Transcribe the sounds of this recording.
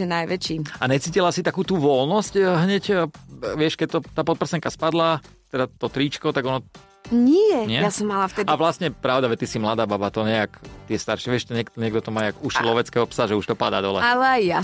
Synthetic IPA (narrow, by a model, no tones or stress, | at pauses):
ɛnajʋɛt͡ʃiːaɲɛt͡siːcilasit̪akuːt̪uːʋɔlnɔscɦɲɛcʋɪɛʃkɛc̚t̪ɔt̪aːpɔt̪̚pr̩sɛŋkaspad̪la | t̪ɛd̪at̪ɔt̪ɾiːt͡ʃkɔt̪aɡɔnɔ | ɲɛjɛɲɪɛjasɔmːalaft̪ɛd̪iaʋlastɲɛpɾaʊd̪aʒɛt̪isimlad̪aːbabat̪ɔɲɛakt̪ɪɛst̪aɾʃɪɛʋɪɛʃt̪ɔɲɛkt̪ɔɲɛɡ̚d̪ɔt̪ɔmaːjakuʃslɔʋɛt͡skɛɦɔpsaʒɛuʃt̪ɔpad̪a̰ːd̪ɔlɛ̰alɛajja